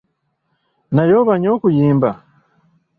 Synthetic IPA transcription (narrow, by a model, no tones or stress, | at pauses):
najo̞βaɲo̞ːkujiːmba